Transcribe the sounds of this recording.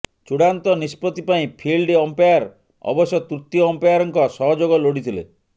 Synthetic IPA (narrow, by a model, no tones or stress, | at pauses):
t͡ʃuɽant̪ɔnispɔt̪ipaĩpʰilɖɔmpejaɾ | ɔ̰bɔsjɔt̪ut̪ːijɔɔmpejaɾɔŋkɔsɔɦɔd͡ʒoɡɔloɽit̪ʰilḛ